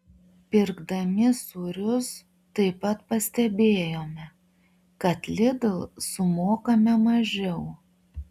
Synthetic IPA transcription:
pʲɪɾɡd̪ɐmʲɪsuɾʲʊs | t̪ɐɪpɐt̪pɐsʲt̪ʲɛbʲeːjoːmʲɛ | kɐt̪lʲɪd̪lˠsʊmoːkɐmʲɛmɐʒʲɛʊ

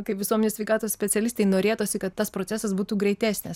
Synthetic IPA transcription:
kɐɪpʋʲɪsuɔmʲɛnʲesʲʋʲɛɪkɑːt̪oːssʲpʲɛt̪t͡s̪ʲsʲɛlʲɪst̪ɐɪnoːɾʲeːt̪oːsʲɪkɐt̪ːɐspɾoːtsʲæːsɐsbuːt̪uːɡɾʲɛɪt̪ʲæːsʲnʲɪs

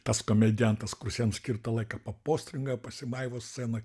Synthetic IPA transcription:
t̪ɐskoːmʲɛd̪ʲɪjɛnt̪ɐskʊrsʲjʲɛnsʲkʲirt̪ɐlˠɐɪkɐpɐpoːsʲt̪ʲɾʲɪŋɡɐpɐsʲɪmɐɪʋoːsʲsʲeːnɐ

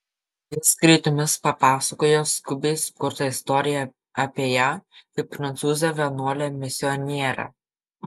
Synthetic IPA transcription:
ɪskɾʲɐɪt̪ʊmʲɪspɐpɑːsɐkoːjoːskʊbʲɛɪskʊɾt̪ɐɪst̪ɔɾʲɪjæ | ɐpʲiɛjæːkɐɪpːɾɐnt̪suːzʲɛʋʲɛnuɔlʲɛmʲɪsʲɪɔnʲɛɛɾɐ̰

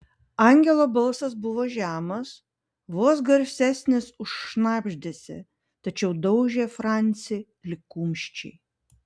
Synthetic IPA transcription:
ɑˑŋʲɡʲɛlˠoːbɐlˠsɐs̬bʊʋoːʒʲæːmɐs | ʋoːsɡɐɾʲsʲæsʲnʲɪsʊʃʃnɑːbʲʒʲd̪ʲeːsʲɪ̰ | t̪ɐt͡ʃʲɛʊd̪ɐʊʒʲeːfɾɑˑnʲt̪sʲɪ | lʲɪkuːmʲʃʲt͡ʃʲɛ̰ɪ

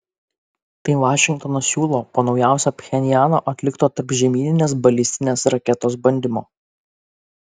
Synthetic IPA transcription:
t̪ɐɪʋɑːʃʲɪŋk̚t̪ɔːnɐssʲuːlˠoːpoːnɒʊjæˑʊsʲoːpʲxʲɛnʲɪjæːno̰ːʔɐt̪ʲlʲɪkt̪oːt̪ɐɾpʒʲɛmʲiːnʲɪnʲeːsbɐlʲɪsʲt̪ʲɪnʲeːsɾɐkʲɛt̪oːs̬bɐnʲd̪ʲɪmoː

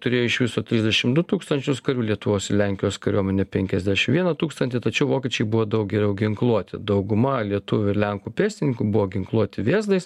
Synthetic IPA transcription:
t̪ʊɾʲeːjoʊɪʃʋʲɪsoːt̪ʲɾʲɪzʲd̪ʲɛʃʲɪmd̪ʊt̪uːkst̪ɐnʲt͡ʃʲʊskɐɾʲuːlʲiɛt̪ʊʋoːsɪlʲæŋʲkʲɪjoːskɐɾʲuɔmʲɛnʲɛpʲɛŋʲkʲɛzʲd̪ʲæːʃʲɪmʋʲiɛnɐt̪uːkst̪ɐnʲt̪ʲɪt̪ɐt͡ʃʲɛʊʋoːkʲɛːt͡ʃʲɛɪbʊʋoːd̪ɐʊk̚ɡʲɛɾʲɛʊɡʲɪŋklˠuɔt̪ʲɪd̪ɐʊɡʊmɐlʲiɛt̪ʊʋʲʊɪɾlʲɛŋkuːpʲeːsʲt̪ʲɪnʲɪkuːbʊʋoːɡʲɪŋklˠuɔt̪ʲɪʋʲeːzd̪ɐɪs

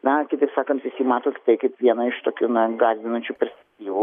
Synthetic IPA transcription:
nɐkʲɪt̪ɐɪpsɑːkɐnt̪ʋʲɪsʲjʲiːmɑːt̪oːkʲɪ̥t̪ɐɪkɐɪpʋʲiɛnɐɪʃt̪oːkʲuːnɐɡɑːzʲʋʲɪnɐnʲt͡ʃʲupʲɛɾʲsʲpʲɛk̚ktʲiːʋʊ

